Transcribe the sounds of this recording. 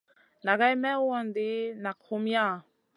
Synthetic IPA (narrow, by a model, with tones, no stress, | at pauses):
na˨ɣa˦jmɛ˦ɔ˨ndi˦na˨kʰu˦mja˦˨